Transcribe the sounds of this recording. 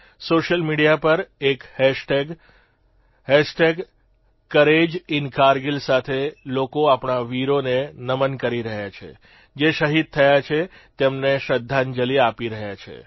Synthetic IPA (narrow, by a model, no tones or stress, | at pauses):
soʃəlmiɽijapəɾekhɛʃʈeɡ | hɛsʈeɡ | kəɾed͡ʒɪnkaɾɡilsat̪ʰelokoapɳaʋiɾonenəmənkəɾiɾəɦjat͡ʃʰḛ | d͡ʒeʃəɦid̪̚t̪ʰəjat͡ʃʰet̪emneʃəd̪ʱːand͡ʒəliapiɾəɦjat͡ʃʰḛ